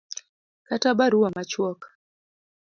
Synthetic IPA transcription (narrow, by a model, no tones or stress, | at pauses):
katabaɾuamat͡ʃwɔk